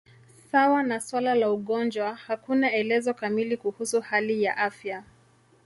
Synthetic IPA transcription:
sawanaswalalauɠɔnd͡ʒwahakunaɛlɛzɔkamilikuhusuhalija̰ʔafja

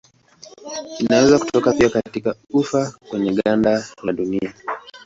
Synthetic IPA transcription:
inawɛzaku̥tɔkapiakatikaufakwɛɲɛɠandajaɗunia

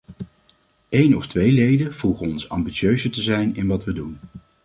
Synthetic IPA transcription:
ejnɔftʋejlejdəvulˠχənɔnsɑ̰mbitsøɥzətəzɛjnɪnʋɑtʋədun

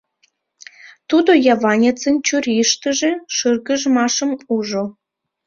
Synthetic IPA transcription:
t̪ud̪ojɑvɑnʲet͡sənʲt͡ɕurʲiʃt̪əʒeʃɨrɣəʒmɑʃə̆muʒo

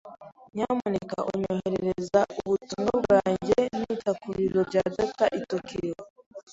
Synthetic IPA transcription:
ɲamunekaʔuɲoheɾeɾezauβutumɡaβuɾaːɲɟenitakuɾiɾoɾɟaːdataʔitokiɾiɾo

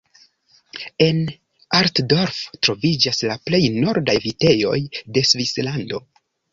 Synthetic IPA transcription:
e̞n | aɾtdoɾftɾo̞vid͡ʒaslaple̞jno̞ɾdajvite̞jo̞̰jde̞svislando̞

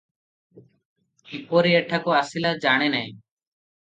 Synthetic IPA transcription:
ipoːɾiːəʈʰakoːaːsilaːd͡ʒaːɳ̃eːnəẽː

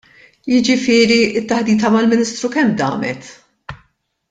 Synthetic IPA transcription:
jɪd͡ʒɪfɪːɾiɪt̪ːɐħd̪iːt̪ɐmɐlmɪnɪst̪ɾukɛmːd̪ɐ̰ːmɛ̰t̪

